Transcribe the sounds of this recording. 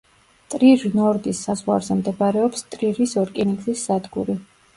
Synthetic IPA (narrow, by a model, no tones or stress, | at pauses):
t̪ʼɾiɾnɔɾd̪isːazʁwa̰ɾzɛmd̪ɛbaɾɛɔpst̪ʼɾiɾisɔɾkʼiniɡzisːad̪ɡuɾi